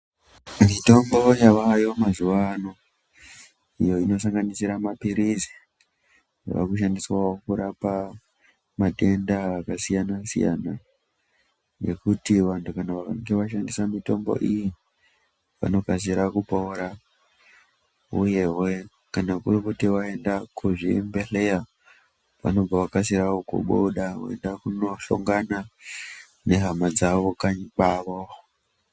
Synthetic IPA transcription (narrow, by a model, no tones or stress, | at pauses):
mito̞mbo̞jaʋajo̞mazuʋano | ijo̞ino̞s̬aŋɡanisiɾamapiɾizi̥ | ʋa̰kuʃandiswawo̞kuɾapa | mate̞ndaːkasijanasḭja̰na | je̞̰kutiʋantukanaʋakaŋɡeʋaʃandisamito̞mbo̞̰ʔiji | ʋa̰no̞kas̬iɾakupoːɾa | uje̞we̞ | kanakurikutiwae̞ndakuʐimbe̞ɬe̞ja | pa̰no̞b͡vawakasiɾaokṵɓoɗao̰e̞̰ndakunoɬo̰ŋɡana | ne̞ɦamad͡zaʋo̞kaɲiɓaːʋo